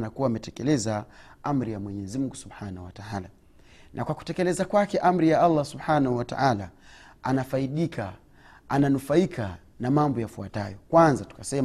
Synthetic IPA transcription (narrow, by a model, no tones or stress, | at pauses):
nakuwaːmɛtɛkɛlɛzaam̩ɾijamwɛɲɛzimuŋɡusubħanahuwataala | nʔakwaku̥tɛkɛlɛzakwakɛʔam̩ɾijaalːasubħanahuwata̰ʔalaanafaiɗikʰa | ananufaikʰa | namambɔjafua̰tajɔkwanzatu̥kasɛ